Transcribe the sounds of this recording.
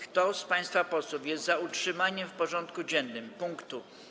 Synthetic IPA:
kt̪ɔspãj̃st̪fapɔswufjɛst̪zautʂɘmaɲɛmfpɔʐɔ̃nt̪kud͡ʑɛnːɘmpuŋkt̪u

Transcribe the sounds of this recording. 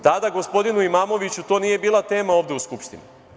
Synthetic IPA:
t̪ad̪aɡo̞spo̞d̪inuimaːmo̞ʋit͡ɕut̪o̞ːniːje̞biːlˠat̪e̞ːmao̞ːʋd̪euskupʃt̪ḭni

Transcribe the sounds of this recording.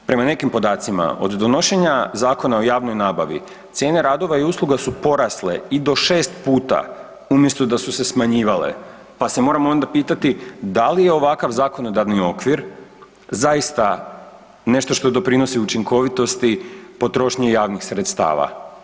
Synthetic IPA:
pɾe̞mane̞kimpo̞d̪aːt̪sima̰ʔo̞̰d̪d̪o̞no̞ʃe̞ɲazaːko̞naojaːʋno̞jnaːbaʋḭ | t̪sje̞ːneɾaːd̪o̞ʋaiuslˠuɡasupo̞ɾasle̞̰id̪o̞ʃe̞ːst̪puːt̪a̰ | umje̞st̪od̪asuse̞smaɲiːʋale̞̰ | pase̞mo̞ɾamoo̞nd̪apiːt̪at̪id̪alije̞o̞ʋakaʋzaːko̞no̞d̪aɾnio̞kʋiɾ | zajist̪a | ne̞ʃt̪o̞ʃt̪o̞d̪o̞pɾino̞siut͡ʃiŋkʰo̞ʋit̪o̞st̪ipo̞t̪ɾo̞ʃɲejaːʋnixsɾe̞t̪st̪a̰ːʋa̰

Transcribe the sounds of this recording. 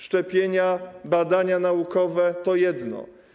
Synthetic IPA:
ʂt͡ʂɛpʲjeɲabad̪aɲanaukɔvɛt̪ɔjɛd̪nɔ̰

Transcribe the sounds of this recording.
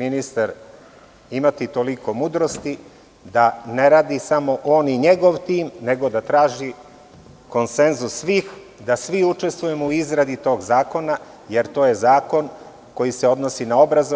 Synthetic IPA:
minist̪aɾ | imat̪it̪o̞liko̞mud̪ɾo̞st̪i | d̪aneɾaːd̪isamo̞ʔo̞ːniɲe̞ɡo̞ʋt̪iːmne̞ɡo̞d̪at̪ɾaːʒi | ko̞nse̞nzusːʋiːx | d̪asʋiut͡ʃe̞st̪ʋuje̞mouizɾad̪it̪o̞ːɡzaːko̞na | je̞ɾt̪o̞ːje̞zaːko̞n | ko̞jiseo̞d̪nosinao̞bɾazo

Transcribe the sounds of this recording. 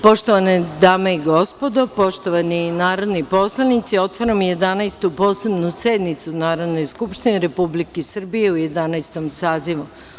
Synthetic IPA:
po̞ʃt̪oʋaned̪aːmeiɡo̞spo̞d̪opo̞ʃt̪oʋaninaːɾod̪nipo̞slˠanit̪sio̞t̪ʋoɾamje̞d̪anajst̪upo̞ːsebnused̪nit̪sunaːɾod̪no̞jskupʃt̪ineɾe̞publikesr̩bije̞uje̞d̪anajst̪omsaːziʋu

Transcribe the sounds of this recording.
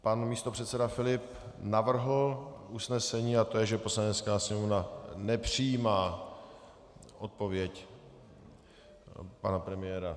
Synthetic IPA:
panmiːst̪o̞pr̝̥ɛt̪sɛdafɪlɪp | navr̩ɦl̩ʔusnɛsɛɲiːat̪ojɛʒɛpo̞slaɲɛt̪t͡skaːsɲɛmovnanɛpr̝̥ijiːmaː | ʔot̪̚po̞vjɛc | panapɾɛmɪjɛːɾa

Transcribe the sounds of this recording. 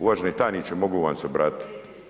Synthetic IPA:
uʋaʒenet̪aːnit͡ʃemoɡoʋansebɾat̪

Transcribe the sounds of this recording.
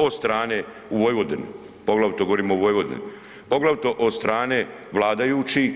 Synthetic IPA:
ost̪ɾaːne | uʋoːjʋod̪en | poɡlaʋt̪oɡoʋoɾiːmouʋoːjʋod̪ḛn | poɡlaʋt̪oʔost̪ɾaːne | ʋlˠaːd̪ajuːt͡ʃi

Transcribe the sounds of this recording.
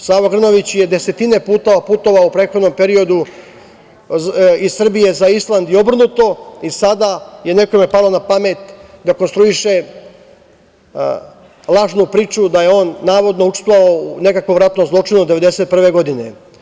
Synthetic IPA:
saːʋoɡr̩no̞ʋit͡ɕje̞d̪e̞se̞t̪ine̞puːt̪o̞ʋapuːt̪o̞ʋaupɾeːxo̞d̪no̞mpe̞ɾio̞d̪u | izsr̩bije̞zaislˠand̪io̞br̩nut̪o̞isad̪aje̞ne̞kome̞palˠonapamet̪d̪akonst̪ɾuiʃe̞ | lˠaːʒnupɾiːt͡ʃud̪ajeo̞ːnːaːʋo̞d̪nout͡ʃst̪oaoune̞kakʋoʋɾat̪no̞mzlˠo̞t͡ʂinud̪e̞ʋe̞d̪e̞se̞t̪̚pr̩ʋe̞ɡo̞d̪ine̞̰

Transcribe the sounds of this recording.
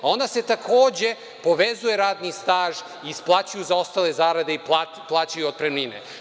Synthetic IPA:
o̞nd̪ase̞t̪akʰo̞ːd͡ʑe̞ | po̞ʋezuje̞ɾaːd̪nist̪aːʒ | iːsplˠaːt͡ɕujuzao̞st̪aːle̞zaːɾad̪e̞ipa | plˠaːt͡ɕajuod̪̚pɾemlinḛ

